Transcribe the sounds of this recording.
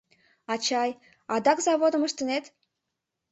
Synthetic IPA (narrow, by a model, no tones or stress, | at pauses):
ɑt͡ɕɑj | ɑd̪ɑkzɑβod̪əməʃt̪ənet̪